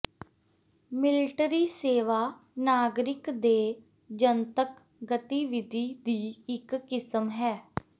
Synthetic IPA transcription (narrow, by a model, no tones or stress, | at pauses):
mɪlɪʈɾiːseːʋaː | naːɡɾɪkd̪eː | d͡ʒənt̪ək | ɡət̪iːʋɪd̪ʱiːd̪iːɪkːɪsəmɦɛː